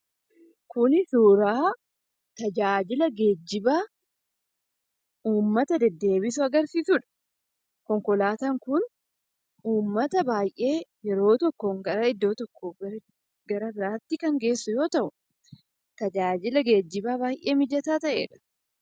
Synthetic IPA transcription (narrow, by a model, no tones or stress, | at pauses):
kʊnɪsuːɾaː | t̪ɐd͡ʒaːd͡ʒɪlɐɡe̞ːd͡ʒːɪbaː | uːmːɐt̪ɐd̪ɛd̪ːe̞ːbɪsʊɐɡɐɾsiːsʊᶑɐ̥ | kɔŋkɔlaːt̪ɐŋkʊn | uːmːɐt̪ɐbaːjʔe̞ːjɛɾo̞ːt̪ɔkːoːŋɡɐɾɐɪd̪ːo̞ːt̪ɔkːoːɐɾ | ɡɐɾɐbɪɾaːt̪ːɪkɐŋɡe̞ːsːʊjo̞ːt̪ɐʔʊ | t̪ɐd͡ʒaːd͡ʒɪlɐɡe̞ːd͡ʒːɪbaːbaːjʔe̞ːmɪd͡ʒɐt̪aːt̪ɐʔe̞̰ːᶑɐ̥